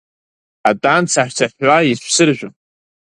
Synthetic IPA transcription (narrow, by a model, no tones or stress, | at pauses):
atʼant͡sʰaħʷᶣt͡sʰaħʲʷaiʃʷʰsɨrʒᶣʊn